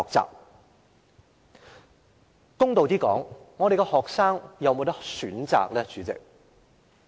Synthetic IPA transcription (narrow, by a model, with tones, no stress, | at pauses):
ɔː˨k̚t͡sa̰ː˨p̚ | kʊ˥ŋt̪o˨wt̪iː˥kɔ̰ː˨˥ŋːɔː˨˧ɾe˨jkɛ˧hɔː˨ksaː˥ŋjɐ˨˧wmo˨˧wt̪ɐ˥k̚syː˨˥nt͡sa̰ː˨k̚lɛː˥t͡ʃyː˨˥t͡sɪ̰˨k̚